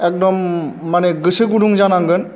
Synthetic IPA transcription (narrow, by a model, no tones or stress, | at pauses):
ɛk̚dɔmːanɛɡɯseɡuɖuŋzanaŋɡɯn